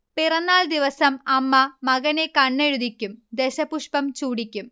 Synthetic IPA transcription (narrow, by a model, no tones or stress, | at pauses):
pirɐnːaːld̪iʋɐsɐmɐmːɐmɐɣɐnekɐɳːeɻuðikʲːumd̪eɕɐpuʂpɐmt͡ɕuːɽikʲːum